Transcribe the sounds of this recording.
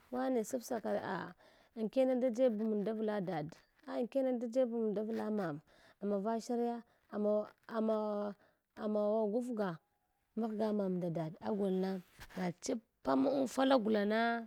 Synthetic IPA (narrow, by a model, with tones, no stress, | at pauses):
wa˦ne˨su˦fsa˨ka˨ɾḛ˨ʔa̰˨ | ŋ˨ke˦na˦da˦d͡ʒe˦bu˨mu˨nda˦vla˦da˨d | a˨ŋke˦na˦da˦d͡ʒe˦bu˨mu˨da˦vla˦ma˨m | a˨ma˨va˦ʃa˦ɾja˦ | a˨m˨a˨ma˨ | a˨ma˨wa˨ɡu˦fɡa˨ | ma˦ɡa˦ma˨mda˨da˨da˦ɡʷa˨lna˦ɡa˨t͡ʃi˦ | pːa˦mu˦u˦nfa˦la˦ɡu˨la˨na˦